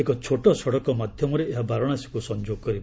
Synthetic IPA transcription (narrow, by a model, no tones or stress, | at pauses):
ekɔt͡ʃʰoʈɔsɔɽɔkɔmad̪ʱjɔmɔɾeeɦabaɾɔɽ̃asi̥kusɔnd͡ʒoɡɔkɔɾib